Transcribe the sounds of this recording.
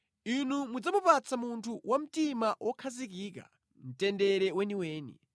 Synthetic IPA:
inumud͡zamupat͡sʰamuntʰuwam̩timaʔwʔɔkʰazikiːka̰ | m̩tɛndɛɾɛwɛniwɛːnḭ

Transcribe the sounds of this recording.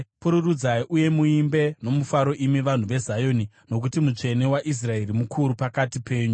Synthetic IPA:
puɾurud͡zaiʔuje̞muimbe̞no̞mufaɾo̞ʔimiʋan̤uʋe̞zajo̞ni | no̞k̬utimut͡ʂe̞ne̞waʔis̬rae̞rimukʰuɾupakatipe̞ːɲu

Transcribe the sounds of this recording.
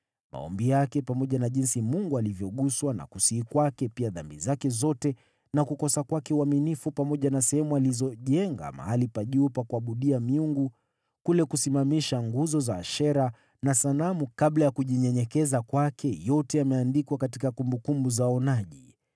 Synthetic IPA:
ma̰ɔ̰mbijakɛpamɔʄanaʄinsimuŋɡualivjɔɠuswana̰kusiːkwakɛpiaða̰mbḭzakɛzɔtɛ | nakukɔsakwakɛuaminifupamɔʄanasɛhɛmualizɔʄɛŋɡa̰ma̰halipaʄuːpakuaɓuɗiamiuŋɡu | kulɛkusimamiʃaŋɡuzɔzaːʃɛɾa | nasalamukaɓlajakuʄiɲɛɲɛkɛzakwakʰɛjɔtɛjamɛandikwakatikakumbukumbuzaɔnaʄi

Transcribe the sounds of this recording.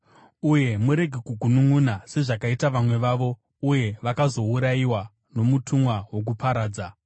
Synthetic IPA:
uje̞muɾe̞ɡʱekuɡʱunuŋunase̞ʐakaitaʋamwe̞ʋaːʋo̞ | uje̞ʋakazo̞uɾaiwa | no̞mutʰumwawo̞k̬upʰaɾaːd͡za

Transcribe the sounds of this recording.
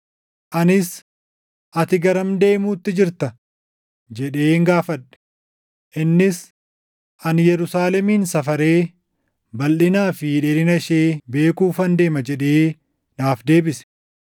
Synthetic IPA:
ʔɐnɪs | ʔɐt̪ɪɡɐɾɐmd̪e̞ːmuːt̪ːɪd͡ʒɪɾt̪ɐ | d͡ʒɛᶑe̞ːŋɡaːfɐᶑɛ̥ | ʔɪnːɪs | ʔɐnjɛɾʊsaːlɛmiːnsɐfɐɾe̞ː | bɐlʔɪnaːfiːᶑeːɾɪnɐʃe̞ːbe̞ːkuːfɐnd̪e̞ːmɐd͡ʒɛᶑe̞ː | ᶑaːfd̪e̞ːbɪsɛ̥

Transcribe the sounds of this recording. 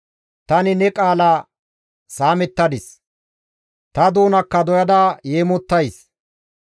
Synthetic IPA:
t̪ɐnɪnɛkʼaːlaː | saːmɛt̪ːɐd̪ɪs | t̪ɐd̪uːnɐkːɐd̪ɔjɐd̪aːjeːmʊt̪ːɐjs

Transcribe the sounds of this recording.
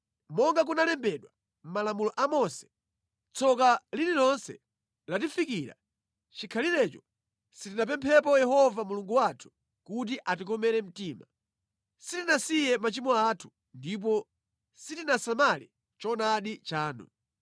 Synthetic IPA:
mɔŋɡak̬unalɛmbɛɗwa | m̩malamulɔʔamɔsɛ̥ | t͡sʰɔkalililɔnsɛ̰ | latifikiɾa̰ | t͡ʃikʰaliɾɛt͡ʃɔ | sitinap̬ɛmpʰɛp̬ɔjɛhɔvamuluŋɡuwatʰu̥ | kut̬iʔat̬ikɔmɛɾɛm̩tiːma | sitinasijɛmat͡ʃimɔatʰu̥ | ndip̬ɔ | sitinasamalḭ | t͡ʃɔnaɗit͡ʃaːnṵ

